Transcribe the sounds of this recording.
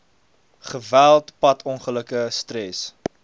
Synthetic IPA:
χəvælˠtpɐtʰɔnχələkəstɾɛs

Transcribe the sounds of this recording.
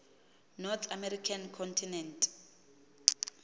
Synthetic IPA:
nɔt̪ʰamɛɾikʰankʰɔntʰinɛntʰʼ

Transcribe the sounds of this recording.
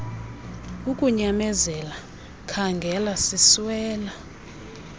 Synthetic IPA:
ukʼuɲamɛzɛla | kʰaŋɡʱɛlasiswɛːla

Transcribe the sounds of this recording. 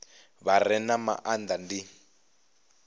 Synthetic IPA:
βarɛnama̰ʔand̪andi

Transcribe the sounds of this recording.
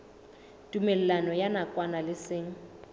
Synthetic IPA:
tʼumɛl̩lanɔjanakʼwanalɪsɪːŋ̩

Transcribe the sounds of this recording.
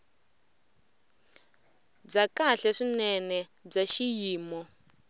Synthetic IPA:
b͡ʐakaɬɛʂinɛnɛb͡ʐaʃijiːmɔ

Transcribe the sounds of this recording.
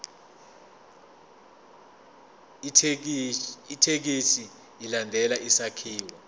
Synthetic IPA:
itʰek̬isiː | landʱɛlaisakʰiːwɔ

